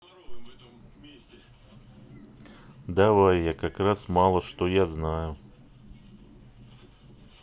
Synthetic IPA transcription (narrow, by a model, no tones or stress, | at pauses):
d̪avajjakakɾasmalˠəʂt̪ojaznajʊ